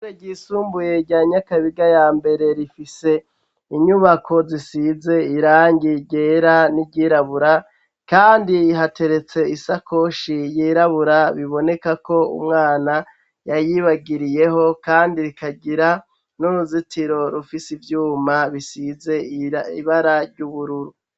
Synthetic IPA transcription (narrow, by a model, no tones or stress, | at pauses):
ɾeɟiːsuːmbuje̞ɾɟaːɲakaβiɡajaːmbe̞ɾe̞ɾifise̞ | iɲuβakʰo̞zisize̞iɾaːŋɟiɟe̞ːɾaniɟiɾaβuɾa | kaːndiːɦate̞ɾe̞t͡se̞isakʰo̞ʃijiːɾaβuɾaβiβo̞ne̞kako̞ṵmŋaːna | jajiβaɡiɾije̞ɦo̞kaːndiɾikaɡiɾa | nuɾuzitiɾo̞ɾufisivjuːmaβisize̞ḭβaɾaɾɟuβuɾuɾu